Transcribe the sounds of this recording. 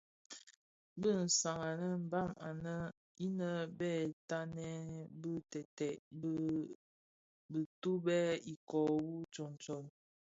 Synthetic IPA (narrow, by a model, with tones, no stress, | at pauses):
bə˦˨n̩˨sa˨ŋa˨nə˦m̩˨ba˦˨ma˨nə˦ | i˦nə˦bɛ˦˨ta˦nɛ˦bə˦tɛ˨tɛ˨˦ | bə˨tu˦bɛ˦i˨kɔ˨wu˦t͡ʃɔ˨nt͡ʃɔ˨n